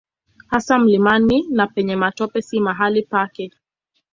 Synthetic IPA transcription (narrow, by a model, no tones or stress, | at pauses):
hasam̩limaninapɛɲɛmatɔpɛsimaɦalipakɛ